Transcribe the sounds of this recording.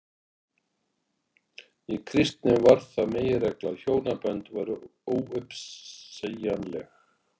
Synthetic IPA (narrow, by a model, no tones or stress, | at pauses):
ikʰɾɪst̪nɪvaɾθaðmeːjɪɾɛklaðçoːwnapɛnt̪vaːɾʏoːwʏpsejanlɛx